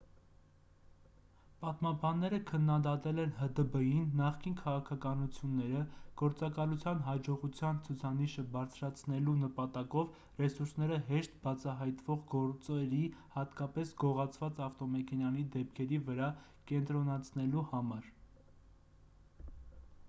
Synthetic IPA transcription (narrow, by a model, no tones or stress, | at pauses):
pɑt̪mɑbɑnːɛɾəkʰənːɑd̪ɑt̪ɛlɛnɦəd̪əbəjinːɑχkinkʰɑʁɑkʰɑkɑnut͡sʰjunːɛɾəɡ̥ɔɾt͡sɑkɑlut͡sʰjɑnɦɑd͡ʒɔʁut͡sʰjɑnt͡sʰut͡sʰɑniʃəbɑɾt͡sʰɾɑt͡sʰnɛlunəpɑt̪ɑkɔv | rɛsuɾsnɛɾəɦɛʃt̪bɑt͡sʰɑɦɑjt̪vɔʁɡɔɾt͡sɛɾihɑt̪kɑpɛsɡɔʁɑt͡sʰvɑt͡sɑft̪ɔmɛkʰɛnjɑnid̪ɛpkʰɛɾivəɾɑ | kɛnt̪ɾɔnɑt͡sʰnɛluhɑmɑɾ